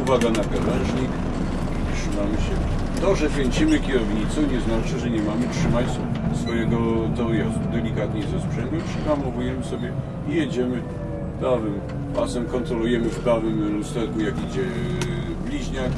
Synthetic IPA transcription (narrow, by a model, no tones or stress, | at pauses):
vad̪anapʲjɔlɛʐɲik | itʂɨmamɘɕɛ | t̪ɔʐɛpʲjɛɲʲt͡ɕimɘkʲɛɾɔvɲit̪sɔ̃w̃ɲɛznat͡ʂɘʐɛɲɛmamɘtʂɘmat͡ɕ | sfɔjɛɡɔt̪ɔjɛst̪d̪ɛlʲikat̪ɲɛzaspʂɛnd̪upʂɛpamɔvujɛmɘsɔbʲjɛ | ijɛd͡ʑɛmɘ | p̪ɾavɘm | pasɛmkɔnt̪ɾɔlujɛmɘfpɾavɘmlust̪ɛlkujakid͡ʑɛ | blʲiʑɲak